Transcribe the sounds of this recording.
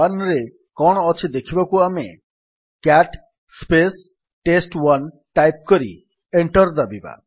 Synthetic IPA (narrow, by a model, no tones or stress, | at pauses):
anɾe | kɔɽ̃ɔɔt͡ʃʰid̪ekʰibakuame | kaʈ | spes | ʈesʈwan | ʈajp̚kɔɾḭ | eɳʈɔɾd̪abiba̰